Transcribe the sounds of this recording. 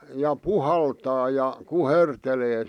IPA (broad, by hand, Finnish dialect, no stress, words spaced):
jɑ puhɑltɑː jɑ kuherteleː